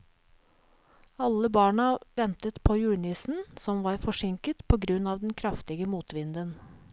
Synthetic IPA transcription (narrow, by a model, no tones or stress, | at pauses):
ɑlːəbɑːɳɑʋɛnt̪ət̪pʰoːjʉːɳɪsn̩sɔmʋɑːɾfɔʂɪŋkət̪pʰoːɡɾʉnɑːʋd̪ɛnkʰɾɑft̪ɪɡəmuːt̪ʋɪnd̪ən